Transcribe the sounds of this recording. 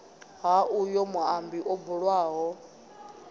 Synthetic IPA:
ɦaʔujɔmuambiʔɔbuɺwaːɦɔ

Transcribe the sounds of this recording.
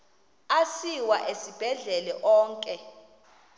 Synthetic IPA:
asiwaʔesib̥ʱɛɮɛlɛʔɔːŋkʼɛ

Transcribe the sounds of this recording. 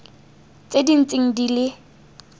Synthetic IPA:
t͡sʼedin̩t͡sʼɪŋ̩dilɪ

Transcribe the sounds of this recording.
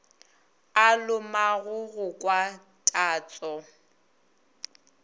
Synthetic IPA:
alʊmaɣʊɣʊkʼwa | tʼaːt͡sʼɔ

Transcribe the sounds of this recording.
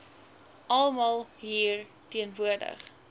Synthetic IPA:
ʔɐlˠmɑlˠɦiːr | tiənvuərdə̰χ

